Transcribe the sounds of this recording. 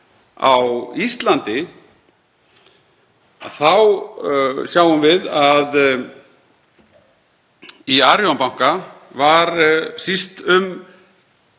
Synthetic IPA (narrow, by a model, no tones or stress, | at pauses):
a̰wist̪lant̪ɪ | a̰θaw | sjawʏmvɪðað | iaɾjɔnpawŋ̥kavaɾsist̪ʏm